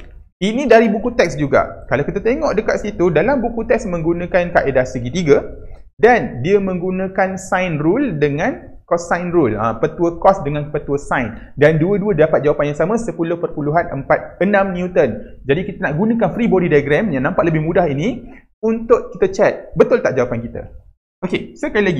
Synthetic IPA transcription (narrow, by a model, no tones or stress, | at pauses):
inĩdaɾibukut̪ɛk̚sd͡ʒuɡa̰kalawkit̪at̪eŋɔʔdəkat̪̚sit̪udalambukut̪ɛksmə̃ŋɡunə̃kankaʔedasəɡit̪iɡa | dandiəmə̃ŋɡunãkansajnruldəŋãn | kɔsːajnrulə̰mpət̪uəkɔsdəŋãnpət̪uəsajn | danduəduədapat̪̚d͡ʒawapanjaŋsamə̃səpulʊhpərpuluɦanʔə̰mpat̪̚ənãmniut̪ən | d͡ʒadikit̪ənaʔɡunãkanfɾibɔdidajɡɾɛmjaŋnãmpaʔləbɪhmũdahini | unt̪ʊʔkit̪ət͡ʃɛt̪̚bət̪ʊlt̪aʔd͡ʒawapankit̪ə̰ | okesəkailaɡi